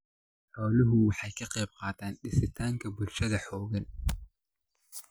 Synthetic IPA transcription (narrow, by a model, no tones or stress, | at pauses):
ħɔːlɪɦʊwɑħɑjkʰɐqɛjb̚qɑːt̪ʰaːnɖɪsɪt̪ʰaːŋkʰɐbʊlʃɐðɐħɔːɣɐn